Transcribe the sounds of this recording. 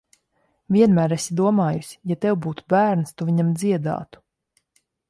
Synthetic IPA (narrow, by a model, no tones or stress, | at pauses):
vʲiɛnmæːɾesʲid̪uɔmaːjusʲi̥jat̪ɛwbuːt̪u̥bæːɾnst̪uviɲamd̪ziɛd̪a̰ːt̪u̥